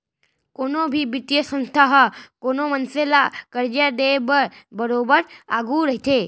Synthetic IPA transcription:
konobʱibɪt̪jəsə̃nst̪ʰaɦəkonomənselakəɾd͡ʒad̪ebəɾbəɾobəɾaɡʱuɾəɦit̪ʰe

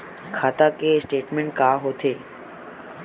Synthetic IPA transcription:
kʰaːt̪akesʈeːʈmẽɳʈ̚kaːɦot̪ʰeː

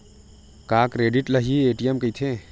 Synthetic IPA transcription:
kaːkɾeːɖiʈlɐɦieːʈijɐmkəjt̪ʰe

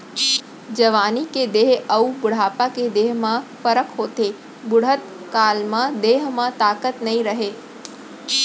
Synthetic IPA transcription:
d͡ʒəʋaːniked̪eːɦəubʊɽ̤aːpaked̪eːɦmãfəɾəkɦoːt̪e | bʊɽ̤ət̪ | kaːlmãd̪eːɦmãt̪aːkət̪nɐɦĩɾəɦe

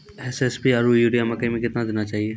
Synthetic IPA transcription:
ɛsɛspiaɾujuːɖijamɐkəimẽkɪt̪nad̪eːnat͡ʃaːɦieː

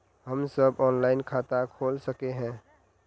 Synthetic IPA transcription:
ɦəmsəbɔːnlaːɪnkʰaːt̪akʰoːlsəkeɦɛ̃ː

